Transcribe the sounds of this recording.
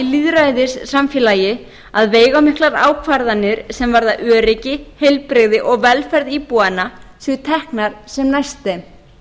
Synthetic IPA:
iliðɾajðɪsːamfjɪːlaːjɪ | aðveːjɣawmɪhklaɾa̰ːwkʰvaɾðanɪɾ̥sɛmvaɾðaʔœːɾɪcɪhejlpɾɪɣðɪʔɔɣvɛlfɛɾðipuanasɪt̪ʰɛhknaɾ̥sɛmnajst̪ɪ

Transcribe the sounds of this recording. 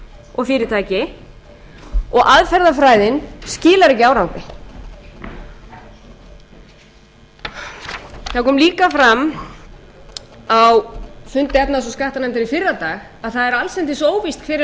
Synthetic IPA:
ɔɣfɪːɾɪt̪ʰaːjcɪ | ɔɣʔaðfɛɾðafɾaːjðɪnscɪːlaɾɪcaːwɾawpɪ | θaðkʰɔːmliːkafɾam | awfʏnt̪ɪɛpnas̬ɔskaht̪anant̪ɪɾifɪɾːat̪aːɣ | aðθaðɛɾalsɛnt̪ɪsoːwvist̪̚kʰvɪɾɪ

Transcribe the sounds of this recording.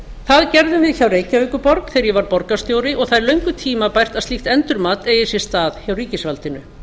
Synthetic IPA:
θaðcɛɾðʏmvɪðçawreːjcaœkʏpɔɾkθɛɾjɛvaɾpɔɾkast̪joːwɾɪʔɔɣθajɾlœɥŋkʏt̪ʰiːmapajr̥t̪aðst̪ixt̪ɛnt̪ʏɾmaːt̪eːjɪsjɛ̥st̪aːðçawriːcɪsvalt̪ɪnʏ

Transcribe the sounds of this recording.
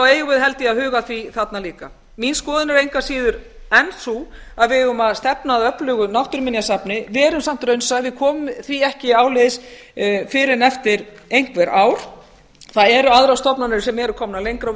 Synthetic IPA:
awɛːjʏvɪðhɛlt̪ɪaðhʏːɣaθviθat̪naliːka | minskɔːðɪnaɾejŋkasiːðʏɾɛnsu | aðvɪðʏmaðst̪ɛpnaːðœplʏːɣʏnawht̪ʏɾmɪnjasapnɪvɛːɾʏmsam̥t̪ɾœɥnsaðvɪðkʰɔːmʏmθviɛhcɪaːwleːðɪs | fɪɾɪnɛft̪ɪɾ | ejŋ̥kvɛɾʔaːwɾ̥ | θaðɛɾʏaðɾawst̪ɔpnanʏɾsɛmɛɾʏkʰɔmnalejŋkɾa

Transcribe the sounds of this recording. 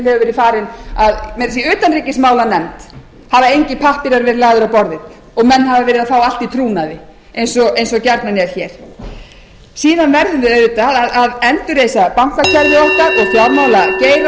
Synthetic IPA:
lhɛvʏvɛːɾɪ̥faːɾɪnaðmɛɾas̬iʏːt̪anriːcɪsmaːwlanɛmt̪ | havaejɲcɪpʰahpɪɾaɾvɛɾɪlaːɣðʏɾawpɔɾðɪ | ɔɣmɛnːhavavɛːɾɪðafaːwal̥t̪it̪ʰɾuːnaðɪ | ejnsɔejnsɔcɛɾt̪nanɪɛɾ̥çɛːɾ̥ | siːðanvɛɾðʏneɪt̪aðaðaðɛnt̪ʏɾeːjsapam̥kacʰɛɾðɪɔhkaɾɔɣfjawɾmawlaceːjɾ

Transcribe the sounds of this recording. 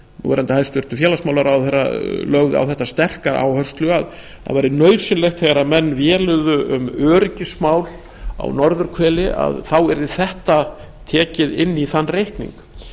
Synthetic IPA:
nṵɛɾant̪ahaðst̪ʏr̥t̪ʏfjɛːlasmawlaɾawθɛrːa̰lœɣðʏ̰a̰wθɛht̪ast̪ɛr̥kaɾʔa̰ːwhœr̥st̪lʏað | a̰ðvajɾɪnœːɥsʏnlɛxt̪θɛɣaɾamɛnːvjɛːlʏɣðʏʔʏ̰mœːɾɪcɪsmaːwl | a̰wnɔɾðʏɾ̥kʰvɛːlɪʔa̰ðθawɛɾðɪθɛht̪a | t̪ʰɛːcɪðɪnːiθanːrejhknḭŋk

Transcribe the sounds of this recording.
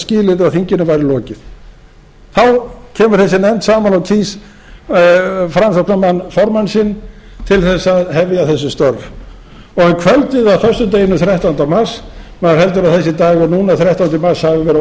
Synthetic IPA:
sciːlɪɾaθiɲcɪnʏvaːjɾɪlɔːcɪð̥ | θawcʰɛːmʏɾ̥θɛsːɪnɛnt̪saːmanawt̪ʰiːs | fɾamsɔknamanːfɔɾmansɪnt̪ʰɪlθɛsːaðɦɛvjaθɛs̬ːʏst̪ɔɾv | ɔɣɛnkʰvɛlt̪ɪðaðθœst̪ʏt̪̬eːjɪnʏmθɾjɛht̪ant̪awmasmaðaɾ̥ɦɛlt̪ʏɾaðθɛsːɪt̪aːɣɔnuːnaθɾjɛht̪awnt̪ɪmashavɪvɛːɾ

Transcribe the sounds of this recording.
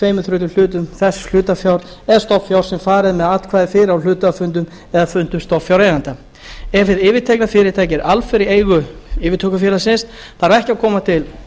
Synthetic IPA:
eːjmʏθɾʏːt̪ʏl̥ʏːt̪̬ʏmθɛsl̥ʏːt̪afjawɾ̥ | ɛðst̪ɔpfjawɾ̥sɛmfaːɾɪðmɛðat̪kʰvaːðɪfɪːɾɪawl̥ʏːt̪afʏnt̪ʏm | ɛðafʏnt̪ʏmst̪ɔpfjawɾejɣant̪a | ɛfɪðɪːvɪt̪ʰɛjklafɪːɾɪt̪ʰaːjcɪɾʔalfɪɾɪeːjɣʏɪːvɪt̪ʰœːkʏfjɛːlasɪnsθaɾvɛhcɪakʰɔːmat̪ʰɪl

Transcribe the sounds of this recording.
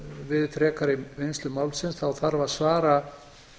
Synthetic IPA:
vɪðfɾɛːkaɾɪvejnst̪lʏmaːwlsɪnsθawθaɾvaɾ̥svaːɾa

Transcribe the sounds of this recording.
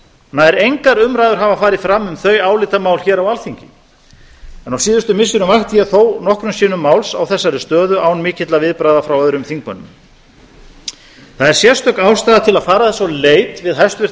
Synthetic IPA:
naðɛɾejŋkaɾʏmɾajðʏɾɦavafaːɾɪðfɾamːʏmθœɥjaːwlɪt̪amaːwlçɛːɾawalθiɲcɪ | ɛnawsiːðʏst̪ʏmɪsʏɾʏmvaxt̪jɛðθownɔhkɾʏmsiːnʏmːaːwlsawθɛsːaɾɪst̪œːðʏʔawnmɪːcɪt̪lavɪðpɾaːjðafɾawœðɾʏmθiŋkmʏnːʏ̰m | θaðɛɾ̥sjɛr̥st̪œkaːwst̪ajðat̪ʰɪlaðfaːɾaθɛsaleːjt̪vɪðɦajst̪vɪɾ̥

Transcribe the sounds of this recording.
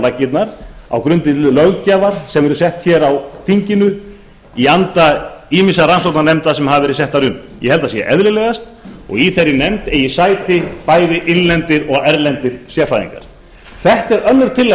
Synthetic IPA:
lacːɪt̪naɾa̰wkɾʏnt̪ɪt̪ʰɪlœɣcaːvaɾ̥sɛmvɛɾʏsɛht̪çɛːɾawθiɲcɪnʏ | iant̪aiːmɪsaransowt̪naɾnɛmt̪asɛmɦaːvɪɾis̬ɛht̪aɾʏm | jɛ̰hɛlt̪asjɛ̰ʔɛðlɪlɛːɣast̪ɔ̰ɣiθejɾːɪnɛmt̪ɛjɪsaːjt̪ɪpaːjðɪʔɪnlɛnt̪ɪɾɔɣɛɾlɛnt̪ɪɾ̥sjɛɾfajðḭŋka̰ɾ̥ | θɛht̪ɛɾœnːʏɾ̥t̪ʰɪlːɛ

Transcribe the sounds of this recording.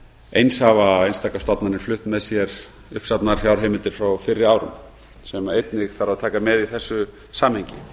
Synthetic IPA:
ejnshavaejnst̪aːkast̪at̪nanɪɾ̥flʏht̪mɛðsjɛɾ̥ | ʏhpsapt̪naɾ̥çjawɾ̥ɦeːmɪlt̪ɪɾ̥fɾawfɪrːɪaːwɾʏ̰n | sɛmaejt̪nɪɣθaɾaðt̪ʰaːkamɛðiθɛsːʏ | saːmhejɲcɪ

